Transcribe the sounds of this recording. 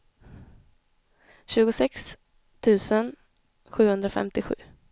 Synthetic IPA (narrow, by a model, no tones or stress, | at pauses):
ɕʉ̟ːɡʊsɛks | t̪ʰʉ̟ːsən | ɧʉ̟ːhɵnd̪ɾafɛ̰mt̪ɪɧʉ̟ː